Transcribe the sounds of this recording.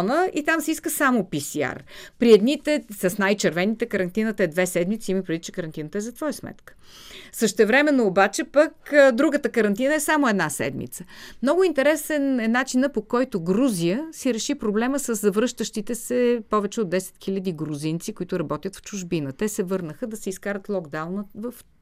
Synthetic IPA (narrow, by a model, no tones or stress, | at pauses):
nəit̪amsɛiskəsamopisia̰rpɾiɛd̪nit̪ɛsɐsnajt͡ʃɛɾvɛnit̪ɛkəɾɐnt̪inət̪əɛd̪vɛsɛd̪mit̪siiməpɾɛd̪ʲit͡ʃɛ̥kəɾɐnt̪inət̪əɛzɐt̪vɔjəsmɛ̰t̪kə̥ | səʃt̪ɛvɾɛmɛnːoːbat͡ʃɛpəkd̪ɾuɡət̪əkəɾɐnt̪̬inəɛsamoɛd̪nasɛ̰d̪mḭt̪səmnɔɡʊint̪ɛɾɛsɛnɛnat͡ʃinəpokɔjt̪ʊɡɾuzijəsiɾɛʃipɾoblɛməsəzzɐvɾɤʃt̪əʃt̪it̪ɛsɛpɔvɛt͡ʃɛod̪ːɛsɛ̥t̪xilʲɐd̪iɡɾuzint̪sikʊit̪ʊɾɐbɔt̪ʲjət̪ft͡ʃʊʒbinət̪ɛsɛvɤɾnəxəd̪ɐsɛiskaɾət̪lˠɔɡd̪awnəvəf